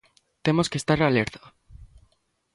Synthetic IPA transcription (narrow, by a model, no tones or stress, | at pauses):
t̪emoskest̪aɾaleɾt̪ḁ